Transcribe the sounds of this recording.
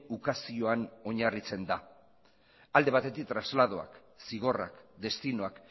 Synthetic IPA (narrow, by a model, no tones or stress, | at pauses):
ukasio̞ano̞ɲarit͡se̞nd̪a | ald̪e̞β̞at̪e̞t̪ik̚t̪ɾazlaðo̞a̰k | siɣ̞o̞ra̰kd̪e̞st̪ino̞ak